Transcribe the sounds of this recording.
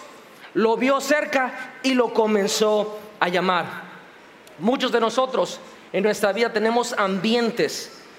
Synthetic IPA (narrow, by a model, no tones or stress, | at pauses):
lo̞βjo̞se̞ɾkailo̞ko̞mẽ̞nso̞aʝamaɾ | mut͡ʃo̞zðe̞no̞so̞t̪ɾo̞s | enːwe̞st̪ɾaβiðat̪e̞nẽ̞mo̞sambje̞nt̪e̞s